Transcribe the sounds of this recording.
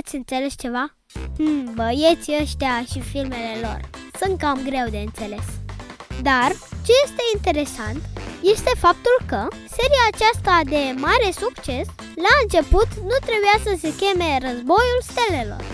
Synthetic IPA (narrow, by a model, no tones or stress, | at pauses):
at̪sʲɨnt̪selest͡ʃe̞va | h̩bəjet̪sʲəʃt̪eaʃifilme̞le̞lo̞̰rsɨnkkamɡɾe̞wd̪e̞ɨnse̞le̞sd̪art͡ʃe̞je̞st̪e̞int̪e̞ɾe̞sant̪je̞st̪e̞fap̚t̪ulkə | se̞ɾijaːt͡ʃast̪ad̪e̞maɾe̞sukt͡ʃe̞s | laɨnt͡ʃe̞put̪nut̪ɾe̞bujasəse̞kʲe̞me̞ɾəzbo̞julst̪elelo̰r